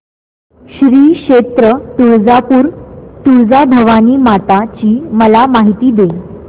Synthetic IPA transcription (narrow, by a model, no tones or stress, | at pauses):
ɕɾiːkɕʂet̪ɾət̪uɭd͡zapuːɾt̪uɭd͡zabʱəʋaniːmat̪at͡ɕiːməlamaɦit̪iːd̪e